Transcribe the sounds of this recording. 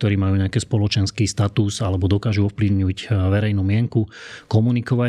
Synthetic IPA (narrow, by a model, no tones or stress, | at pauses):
t̪ɔɾiːmajuːɲɛakɛːspɔlɔt͡ʃɛnskiːst̪at̪usalɛbɔd̪ɔkaːʒuɔfpliʊɲuːcʋɛɾɛjnuːmɪɛŋkukɔmunikɔʋa